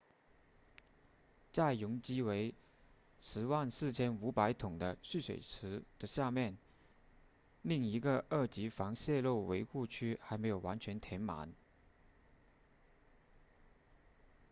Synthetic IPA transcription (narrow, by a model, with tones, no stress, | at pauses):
t͡sa˥˩ɪjʊ˧˥ŋt͡ɕi˥we˧˥ɪ | ʂɻ̩˧˥wa˥˧nsɹ̩˥˩t͡ɕʰjɛ˥nu˧˥pa˧˥ɪt̪ʰʊ˨˩ŋd̪ə˦ɕy˥˩swḛ˨˩ɪʈ͡ʂ̩ʰ˧˥d̪̥ə˧ɕja˥˧mjɛ˥˩n | li˥˩ŋi˧˥ɡə˧ə˥˩t͡ɕi˧˥fɑ˧˥ŋɕjɛ˥˧lo˥˩ʊwḛ˧˥ɪxu˥˧t͡ɕʰy˥xa˧˥ɪme˧˥jo˨˩ʊwa˧˥nt͡ɕʰɥɛ˧˥nt̪ʰjɛ˧˥nma̰˧˥n